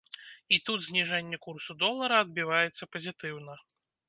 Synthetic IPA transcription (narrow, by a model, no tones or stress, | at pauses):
it̪ud̪zʲnʲiʐɛnʲːɛkursud̪ɔlˠːɐɾɐɐd̪̚bʲivajɛt̪sːɐpɐzʲit̪ɨwn̪ɐ